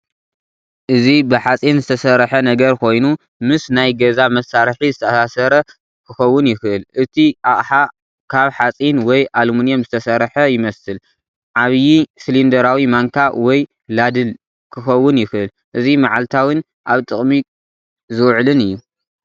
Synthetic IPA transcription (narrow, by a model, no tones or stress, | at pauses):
ʔɨzibɨħat͡sʼinzɨt̪ʰɐsɐɾħɐnɐɡɐɾkʰo̞jnu | mɨsnajɡɐzamɐsːaɾħizɨt̪ʰɐasasɐɾɐ | kʰɨxɐwːʊnjɪxɨʔɨlʔɨt̪ʰiʔaʔʼħa | kʰaβħat͡sʼinwɔjʔalmunjomzɨt̪ʰɐsɐɾħɐjɪmɐsɨl | ʕaβjislind̪ɐɾawimaŋkʰawɔj | lad̪ɨl | kʰɨxɐwːʊnjɪxɨʔɨl | ʔɨzimaʕalt̪ʰawɨn | ʔaβt̪ʼɨχʼmi | zɨwʕlɨnɨjːu